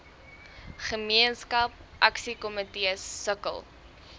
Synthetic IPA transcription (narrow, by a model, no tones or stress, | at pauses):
χəmiənskɐp̚ʔɐksikɔmətiəsːəkə̰lˠ